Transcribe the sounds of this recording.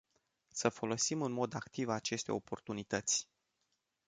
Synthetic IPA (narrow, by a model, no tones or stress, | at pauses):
səfo̞lo̞simɨnmo̞d̪akt̪ivat͡ʃe̞st̪e̞o̞po̞rt̪unit̪ət̪sʲ